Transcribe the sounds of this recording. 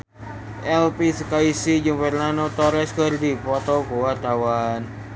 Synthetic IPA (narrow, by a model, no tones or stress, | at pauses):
ʔɛlpisəkaisid͡ʒumbərnanot̪ɔɾɛskərd̪ipɔt̪ɔkuwart̪awan